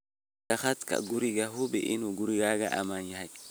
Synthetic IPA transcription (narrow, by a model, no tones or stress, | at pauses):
axat̪ka̰ɡuɾiɡaɦubɛ̰ʔinuɡuɾiɡaɡaʔa̰manahaj